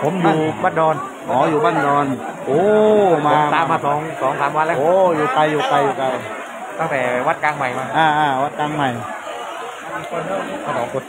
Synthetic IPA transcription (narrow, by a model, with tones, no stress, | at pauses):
pʰo˨˩˦mnaː˧˩uː˨˩baː˥˩ndɔː˧n | hɔː˨˦juː˨˩baː˥˨ndɔː˧nʔoː˧maː˧saː˨˦˧mːaː˧sɔː˨˩˦ŋsɔː˨˦ŋsaː˨˦mwa˧nlɛː˦˥˨ʔoː˧˩juː˨˩ka˧jːuː˨˩ka˧jːuː˨˩k̪a˧j | t̪a˥˩ŋt̪ɛː˨˩wa˦˥t̪̚kaː˧ŋma˨˩jmaː˧˩ʔaː˧˩ʔaː˧˩wa˦˥t̪̚kaː˧ŋma˨˩j | kɔ˧˩˧a˧˩kʰɔː˨˦ŋko˧˩t̪